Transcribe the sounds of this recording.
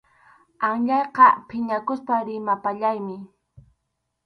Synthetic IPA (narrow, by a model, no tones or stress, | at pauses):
aŋʎɑjqɑpʰɪɲakʊspaɾɪmapaʎajmɪ